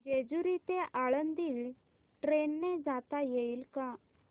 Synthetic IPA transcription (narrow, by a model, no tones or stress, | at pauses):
d͡ʑed͡zuɾit̪eʔaɭənd̪iːl | ʈɾenːed͡zat̪ajeilka